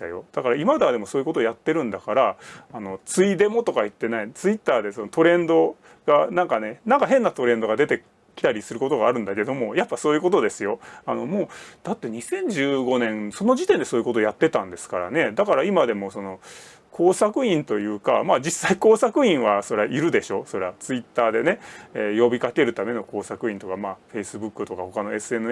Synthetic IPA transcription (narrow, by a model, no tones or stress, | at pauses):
a̰jo̞̰d̪̥akaɾaimad̪ad̪e̞mo̞soːjɯ̟kot̪ojat̪ːe̞ɾɯ̟̃nd̪akaɾaːno̞t͡sɨid̪e̞mo̞t̪o̞kait̪ːe̞nait͡sɨit̪ːaːd̪e̞so̞not̪o̞ɾẽ̞nd̪o̞ | ɡ̥anãŋkane̞nãŋkaɦẽ̞nːat̪o̞ɾẽ̞nd̪o̞ɡad̪e̞t̪e̞ | kʲi̥t̪aɾʲisɨɾɯ̟ko̞t̪o̞ɡaːɾɯ̟̃nd̪ake̞d̪o̞mo̞japːaso̞ːjɯ̟ko̞t̪̬o̞d̪e̞sɨjo̞ano̞mo̞ːd̪̥at̪ːe̞ɲ̟isẽ̞ɲ̟d͡ʑɨːɡo̞nẽ̞nso̞no̞ʑit̪end̪e̞soːjɯ̟ko̞t̪ojat̪ːe̞t̪ãnd̪e̞sɨ̥kaɾa̰ne̞d̪akaɾaimad̪e̞mo̞so̞no̞ | kʰo̞ːsakɯ̟ĩnt̪o̞jɯ̟ːka̰maːd͡ʑisːaiko̞ːsakɯ̟ĩɰ̃βaso̞ɾeaʔiɾɯ̟d̪e̞ɕo̞so̞ɾeat͡sɨit̪ːaːd̪e̞ne̞ejo̞bʲikake̞ɾɯ̟t̪ame̞no̞ko̞ːsakɯ̟ĩnt̪o̞kamaːɸe̞isɨbɯ̟kːɯ̟t̪o̞kaho̞kano̞e̞sɨe̞mɯ